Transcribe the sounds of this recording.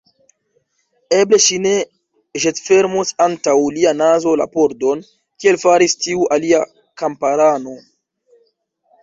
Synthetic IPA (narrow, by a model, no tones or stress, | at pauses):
eble̞ʃine̞ | ʒetfe̞ɾmusantawlianazo̞la̰poɾdo̞n | kie̞lfaɾistiuʔalia | kampaɾano̞